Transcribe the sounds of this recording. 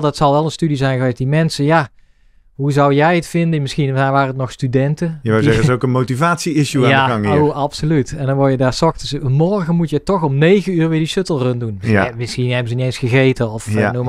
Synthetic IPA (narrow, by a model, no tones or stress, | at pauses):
lˠdɑtsɑlˠʋɛlˠənstydizɛjnɣəʋejsdimɛnsəja | ɦuzɑwjɛjətfɪndənmɪsxinaʋaːrənətnɔxstydɛntəjəʋɪɛokənmowtivaːtsiɪʃuaaaŋowɑpsolytɛndɑnʋɔɹjədaːɹsɔxtsmɔɹɣənmutjətɔχɔmnejɣəyːɹʋɪːdisøtəlˠrøndunmɪsxinɛbəzəniejnsxəɣejtəɔfnum